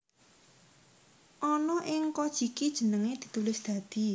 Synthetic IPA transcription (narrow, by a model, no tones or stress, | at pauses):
ʔɔnɔʔɪŋkɔd̥ʒ̥i̤kid̥ʒ̥ə̤nəŋed̪̥i̤t̪ulɪsd̪̥ä̤d̪̥i̤